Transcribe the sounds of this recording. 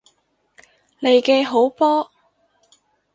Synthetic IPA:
ne˨˧jkɛː˧ɦo˨˥wpɔː˥

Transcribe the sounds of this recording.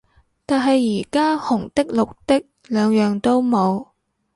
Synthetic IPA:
t̪aː˨nɦɐ˨jːiː˨˩kaː˥hʊ˨˩ŋt̪ɪ˥k̚lʊ˨k̚t̪ɪ˥k̚ | lœː˨˧ŋjœː˨ŋt̪o˥wmo˨˧w

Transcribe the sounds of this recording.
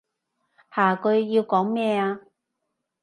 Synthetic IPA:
haː˨˩kɵ˧ɥːiː˧wkɔː˨˥ŋmɛː˥˧aː˧

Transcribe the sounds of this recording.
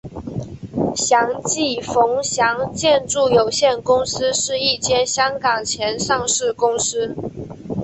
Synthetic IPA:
ɕjɑ˧˥ŋt͡ɕi˥˩fʊ˧˥ŋɕjɑ˧˥ŋt͡ɕjɛ˥˧nʈ͡ʂu˥˩jo˨˩ʊɕjɛ˥˩nkʊ˥ŋsɹ̩˥ʂɻ̩˥˧i˥˩t͡ɕjɛ˥nɕjɑ˥ŋkɑ˨˩ŋt͡ɕʰjɛ˧˥nʂɑ˥˧ŋʂɻ̩˥˩kʊ˥ŋsɹ̩˥

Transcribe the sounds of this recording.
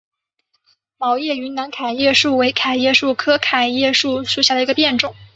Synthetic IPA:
mɑ˧˥ʊjɛ˥˩y˧˥nna˧˥nkʰa˨˩ɪjɛ˥˧ʂu˥˩we˧˥ɪkʰa˨˩ɪjɛ˥˧ʂu˥˩kʰɤ˥kʰa˨˩ɪjɛ˥˧ʂu˥˩ʂu˥˩ɕja˥˩d̪ə˩i˧˥ɡə˧pjɛ˥˧nʈ͡ʂʊ˥˩ŋ

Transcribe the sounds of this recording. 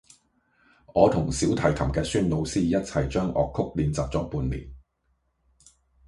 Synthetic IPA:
ŋɔː˨˧t̪ʰʊ˨˩ŋsiː˨˥wt̪ʰɐ˨˩jt̪ʰɐ˨˩mkɛː˧syː˥nlo˨˧wsiː˥jɐ˥t̚t͡sʰɐ˨jt͡ʃœː˥ŋʔɔ̰ː˨kʰːʊ˥k̚liː˨˧nt͡saː˨p̚t͡sɔː˨˥k̚puː˧nlḭː˨˩n

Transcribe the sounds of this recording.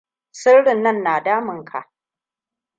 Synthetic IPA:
sɪ˦rɽɪ˨nːɐ˦˨nːaː˨daː˦mɪ˨ŋkʰa̰˨ʔ

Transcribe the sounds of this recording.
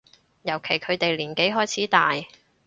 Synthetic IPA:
jɐ˨˩wkʰe˨˩jkʰɵ˨˧ɥt̪e˨jliː˨˩nke˨˥jɦɔː˥jt͡sʰiː˨˥t̪aː˨j

